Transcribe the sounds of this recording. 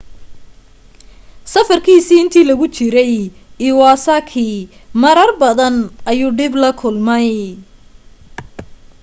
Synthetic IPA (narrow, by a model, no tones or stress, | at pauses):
sɐfɐrkʰiːsiːɪnt̪ʰiːlɐɣʊt͡ʃɪɾɛj | ɪːwɑːsaːkʰiːmɐɾɐrbɐðɐnʔɐjuːɖɪblɐkʰʊlmɛj